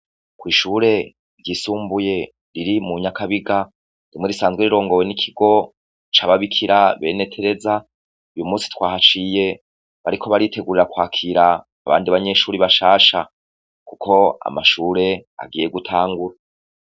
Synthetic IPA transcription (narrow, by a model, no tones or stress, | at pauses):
kwiːʃuːɾe̞ | ɾɟisuːmbuje̞ | ɾiɾimuɲakaβiɡa | ɾimŋe̞ɾisaːnzɡwe̞ɾiɾo̞ːŋɡo̞we̞nikʰiɡo̞ | t͡ʃaβaβikʰiɾaβe̞ːne̞tʰe̞ɾe̞za | ujumuːsi̥twaːhat͡ʃije̞ | βaɾikʰo̞βaɾitʰe̞ɡuɾiɾakwaːkʰiɾaː | βa̰ːndiβaɲe̞ʃuːɾiβaʃaːʃa | kukʰo̞a̰maʃuːɾe̞a̰ɡiːje̞ɡutʰaːŋɡuɾa